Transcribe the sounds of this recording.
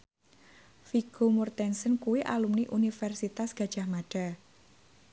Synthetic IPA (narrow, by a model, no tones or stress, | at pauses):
fiɡ̥omɔrt̪ɛnsənkuwiʔa̰lumniʔunifɛrsit̪asɡ̥ä̤d̥ʒ̥a̤hmaɖ̥a̤